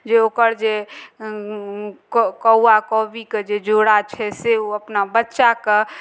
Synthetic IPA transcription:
d͡ʒeokəɾd͡ʒe | kkəwakɔbiked͡ʒed͡ʒoɽat͡ʃʰɛseuəpnabətːʃake

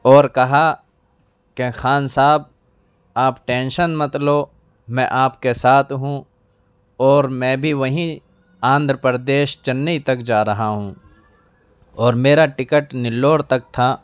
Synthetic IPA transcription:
ɔːɾkɐɦa | kexaːnsaːb̚ | aːpʈẽːnʃənmɐt̪lo | mɛ̃ːʔaːpkesaːt̪ʰɦũ | ɔːɾmɛ̃ːbʱiʋɐɦĩ | ãːnd̪ʱɾəpəɾd̪eːʃt͡ʃɐnːəit̪ɐkd͡ʒaːɾɐɦaɦũː | ɔːɾmeːɾaʈɪkəʈnɪlːoːɽt̪ɐk̚t̪ʰaː

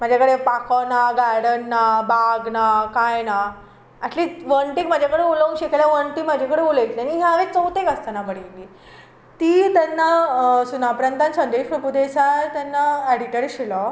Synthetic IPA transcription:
m̤ad͡ʑʱakəɽepakanaɡajɽənːabʱaɡnakajna | ɛʈliːʋəɳʈikm̤ad͡ʑʱakəɽeuləʋũŋɕekelaʋəɳʈimad͡ʑʱakəɽeulet̪lianiɦjaʋet͡səwt̪ekəst̪anabəɽiliː | t̪iːt̪anːasunapɾant̪ansənd̪eɕpɾəpud̪esat̪janːaeɽiʈəɾiɕilɔ

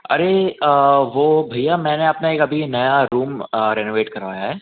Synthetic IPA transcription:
ɐ̰ɾe | ʋoːbʱɐijamɛ̃ːneɐpnaeːkɐbʱinɐjaɾuːmɾɛːnoːʋeːʈkɐɾʋa̰ːjaɦɛː

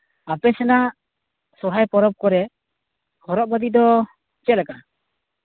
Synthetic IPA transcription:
apɛsɛnaʔ | sɔɽ̤ajpɔɾɔp̚kɔɾɛ | hɔɾɔʔ̚bad̪id̪ɔ | t͡ʃɛlɛka

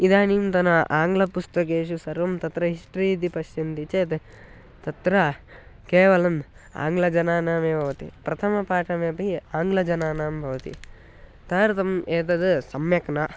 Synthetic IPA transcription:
id̪aːniːmt̪ɐnɐʔaːŋɡlɐpust̪ɐk̬eːʃ̬usɐɾʋɐmt̪ɐt̪ɾɐɦiʂʈɾiːd̪ipɐʃjɐnt̪it͡ʃeːt̪e | t̪ɐt̪ɾɐkeːʋɐlɐm | a̰ːŋɡlɐd͡ʒɐnaːnaːmeːbʱɐʋɐt̪ḭpɾɐt̪ʰɐmɐpaːʈɐmeːpɐiaːŋɡlɐd͡ʒɐnaːnaːmbʱɐʋɐt̪ḭ | t̪aːɾt̪ɐmeːt̪̬ɐd̪ɨsɐmjɐknɐ

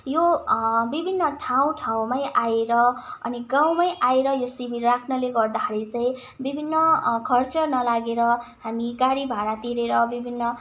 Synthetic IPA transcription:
jobibʱinːʌʈʰaw̃ʈʰaw̃majʔajeɾʌʌ̰niɡaw̃majʔaeɾʌjosibʱirrakʰnʌleɡʌrd̪akʰaɾit͡sʌj̃ | bibʱinːʌkʰʌrt͡sʌnʌlaɡeɾʌɦamiɡaɽibʱaɽat̪iɾeɾʌbibʱinːʌ

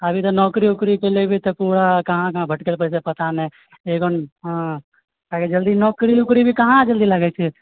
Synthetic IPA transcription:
əbʱit̪ɔnɔkɾiukɾikelebʱit̪ɔpuɾakəɦãkəɦãbʱəʈkelpəɽt͡ʃepət̪ane | eɡonɦ | aked͡ʒəld̪inɔːkɾiukɾibʱikəɦãd͡ʒəld̪ilaɡɛt͡ʃʰɛ

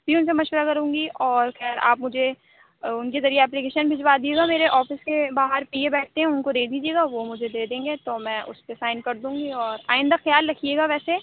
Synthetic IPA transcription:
bʱiʊnsemɐʃʋəɾakɐɾũːŋɡiʔɔːɾxɛːɾa̰ːpmʊd͡ʒʱe | ʊnkezɐɾijeɛːp̬likeːʃənbʱɪd͡ʒʋad̪ieːɡameːɾeʔɔːfɪskebaːɦəɾpiːebɛːʈ̚ʰt̪eɦɛ̃ʊnkoɾeːd̪iːd͡ʒieːɡaʋomʊd͡ʒʱed̪eːd̪ẽːŋɡet̪omɛ̃ːʔʊ̰spesaːɪnkɐɾd̪ũːŋɡiɔːɾa̰ːɪ̃nd̪axɐjaːlːɐkʰieːɡaʋɛːse

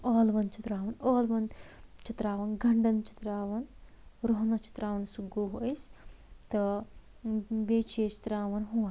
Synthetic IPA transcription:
ɔːlʋɐnt͡ʃʰit̪ɾaːʋɐnoːlʋɐnt͡ʃit̪ɾaːʋɐnɡɐɳɖɐnt͡ʃi̥t̪ɾaːʋɐn | ɾoɦnɐt͡ʃi̥t̪ɾaːʋɐnsuɡuɦojst̪ɐ | beːt͡ʃeːt͡ʃi̥t̪ɾaːʋɐnɦua

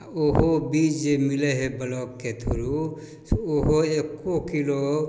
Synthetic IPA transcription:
oɦobid͡ʒd͡ʒemileɦebəlɔkːet̪ʰo̰ɾu | oɦoekːokilo

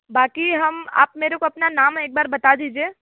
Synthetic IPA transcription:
baːkiɦɐma̰ːpmeːɾekoɐpnanaːmeːk̚baːɾbɐt̪ad̪iːd͡ʒieː

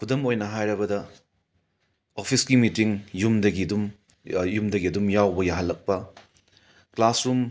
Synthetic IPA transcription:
kʰudɐmojnɐɦajɾɐbɐdɐ | opʰisɡimitiŋjumdɐɡidum | jumdɐɡiɐdumjawbɐjaɦɐlːɐk̚pɐ | klasɾum

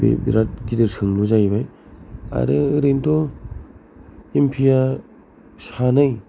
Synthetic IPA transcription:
bḛbḭɾat̚ɡidɯɾsʰɯŋluzajbaja̰ɾɯɯɾentɔ | empʰija | sanɯj

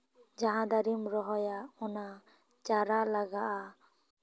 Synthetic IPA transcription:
d͡ʒaɦãd̪aɾimɾɔɦɔjaɔna | t͡ʃaɾalaɡaʔa

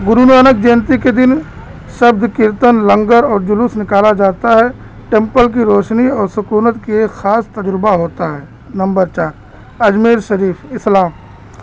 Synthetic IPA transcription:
ɡʊɾunaːnək̚d͡ʒeːnt̪iked̪ɪn | ʃɐb̚d̪ʱkɪɾt̪ənlə̃ŋɡəɾɔːɾd͡ʒʊlusnɪkaːlad͡ʒaːt̪aɦɛ | ʈẽːmpəlk̬iɾoːʃniɔːɾsʊkuːnət̪kiexaːst̪ɐd͡ʒɾbaɦoːt̪aɦɛː | nɐ̃mbəɾt͡ʃaːɾ | ɐd͡ʒmiːɾʃɐɾiːfʰɪslaːm

